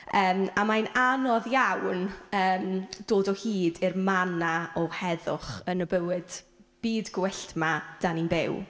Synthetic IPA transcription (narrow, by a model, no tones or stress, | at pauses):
əːmamajnanɔðjawnəːmd̥oːdɔhiːdɪrmanaɔhɛðʊχənəbəwɪd̥ | b̥iːdɡwɛɬtmad̥aninbɪw